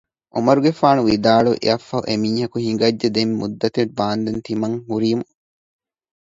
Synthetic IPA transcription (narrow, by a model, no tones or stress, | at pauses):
ʔomɐɾuɡefaːnuʋid̪aːɭuʔḛɐfːɐʔemiːhɐkuhiŋɡɐd͡ʒːed̪emːud̪ːɐt̪ebaːnd̪ent̪imɐŋhuɾiːmu